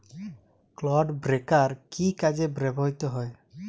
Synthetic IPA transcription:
klɔɖbɾekaɾkikad͡ʒebɾebʱɔɦit̪ɔɦɔj

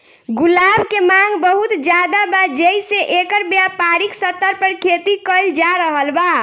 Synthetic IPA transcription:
ɡulabkemaŋɡbəɦut̪d͡ʒad̪abad͡ʒeiseʔekəɾbjapaɾiksət̪ːəɾpəɾkʰet̪ikəld͡ʒaɾəɦəlba

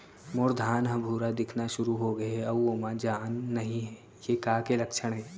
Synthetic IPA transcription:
mʊɾd̪ʱaːnɦɐbʱuːɾad̪ɪkʰnaʃʊɾuɦoɡɐɦɛɐoːmãd͡ʒaːnːɐɦĩɦɛ | jekaːkelɐkʃəɽ̃ɦɛː

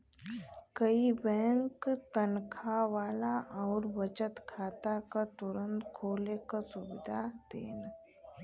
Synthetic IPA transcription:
kəibɛ̃ːŋkt̪ənkʰaʋaːlaʔɔːɾʋət͡ʃət̪kʰaːt̪akat̪ʊɾə̃nt̪kʰoːlekasʊbɪd̪ʱad̪ḛːn

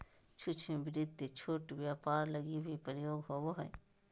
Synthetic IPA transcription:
t͡ʃʰʊt͡ʃʰẽbɪɾɪd̪et͡ʃʰoːʈʋjaːpaːɾləɡiɦipəɾjoːɡɦowoɦɛ

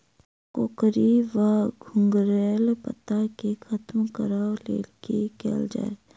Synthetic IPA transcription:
koːkɾiʋaɡʱʊ̃ŋɡɾeːlpə̰t̪akexʰət̪mkəɾaːlḛːkikḛːld͡ʒa̰ːe

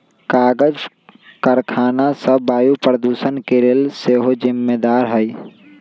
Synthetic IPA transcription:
kaːɡəd͡ʒ | kəɾkʰaːnasəbaːjupɾəd̪uːsənkeɾelseɦod͡ʒɪmːeːd̪aːɾɦəi

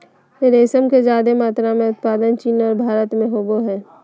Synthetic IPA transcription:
eɾeːsəmked͡ʒaːd̪emaːt̪ɾamẽʊt̪̚paːd̪ənt͡ʃiːnɔːɾbʱaːɾət̪mẽɦoːɡoɦɛː

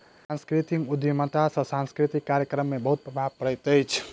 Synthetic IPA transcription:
ãnskɾit̪ikud̪jmət̪asə̃sãnskɾit̪ikːaɾjəkɾəmːẽbəɦut̪̚pɾəbʱabkəɽəjt̪əjt͡ʃʰ

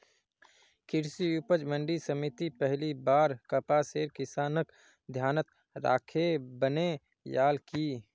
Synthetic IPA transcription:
kʰɪɾsiupəd͡ʒmə̃ɳɖisəmit̪ipəɦlibaːɾkəpaseːɾkɪsaːnək | d̪ʱjaːnət̪ | ɾa̰ːkʰebəne | jaːlki

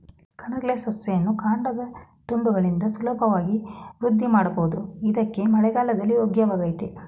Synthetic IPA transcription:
kʰɐnɐɡɭesɐsjɐjɐnːukaːɳɖɐd̪ɐt̪uɳɖuɡɐɭind̪ɐsulɐbʱɐʋaːɡiʋɾud̪ʱːimaːɽɐboʋud̪uid̪ɐkːe̞mɐɭɛɡaːlɐd̪ɐlːioɡjɐʋaːɡɐjt̪e

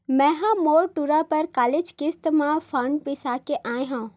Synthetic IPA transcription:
mɛ̃ɦãmoːɾʈuɾapəɾkaːled͡ʒkɪst̪mãfpʰãɳɖpɪsakeʔaːẽɦã

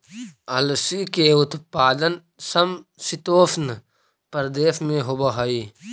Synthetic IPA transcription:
ɐlsikeʊt̪paːd̪ən | səmsɪt̪oːsnə | pəɾd̪eːʃmẽɦobəɦɐiː

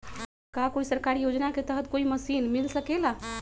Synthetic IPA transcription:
kakoisəɾkaɾijod͡ʒnaket̪əɦət̪koiməsiːnmilsəkela

